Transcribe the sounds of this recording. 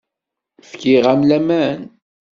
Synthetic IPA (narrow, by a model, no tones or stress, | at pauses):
fkiʁæmlæmæn